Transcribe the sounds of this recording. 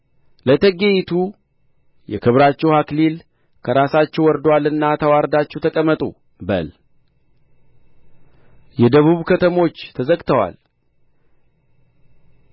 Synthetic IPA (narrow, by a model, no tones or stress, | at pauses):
lət̪ʰəɡejt̪ʰu | jɛ̰kʰɨβɾat͡ʃːɛwhaklil | kʰəɾasat͡ʃːɛwɔɾd̪walɨnːat̪ʰəwaɾd̪at͡ʃːɛwt̪ʰəkʼəmːət̪ʼṵ | bə̰l | jɛd̪əβuβkʰət̪ʰəmo̞t͡ʃːt̪ʰəzəɡt̪ʰəwa̰l